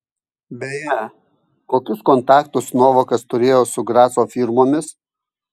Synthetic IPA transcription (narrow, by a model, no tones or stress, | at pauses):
bʲɛjɛ | koːkʲʊskɔnt̪ɑːkt̪ʊsnoːʋoːkɐst̪ʊɾʲeːjoːsʊɡɾɑːsoːfʲiɾmoːmʲɪs